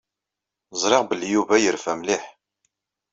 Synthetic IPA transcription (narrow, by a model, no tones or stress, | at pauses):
zˤɾˤɪʁbəljuvæjəɾfæmliħ